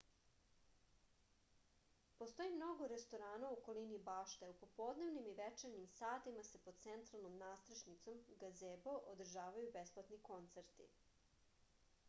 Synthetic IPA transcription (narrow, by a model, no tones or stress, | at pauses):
post̪o̞imno̞ɡoɾest̪oɾaːnaukolinibaːʃt̪eupo̞pod̪ne̞ʋnimiʋet͡ʃeɾnimsaːt̪imase̞pod̪̥̚tsent̪ɾalˠnomnaːst̪ɾaʃnit̪so̞mɡazeːboʔod̪r̩ʒaːʋajubesplˠat̪niko̞nt̪seɾt̪ḭ